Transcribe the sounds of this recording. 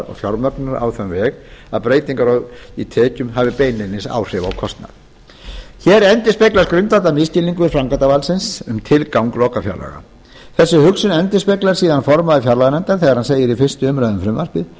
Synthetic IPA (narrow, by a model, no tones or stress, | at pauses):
ɾɔ̰ɣfjɔɾmœt̪naɾa̰wθœmvɛːɣaðpɾeːjt̪iŋkaɾɔit̪ʰɛːcʏmɦavɪpeːjnɪnːɪsa̰ːwr̥ɪvaːwkʰɔst̪na̰ð | çɛɾɛnt̪ɪspejklaɾskɾʏnt̪at̪amɪscɪliŋkʏɾfɾaŋkat̪avalsɪnsʏmt̪ʰɪlkawŋklɔːkafja̰ɾla̰ɣa̰ | θɛsːʏhʏksʏnɛnt̪ɪspeklaɾ̥siːðanfɔɾmaðʏfjaɾlaɣanɛnt̪aɾ̥θɛɣaɾhanseːjɪɾifɪ̥st̪ʏʏmɾajðʏmfɾʏmvaɾ̥pɪð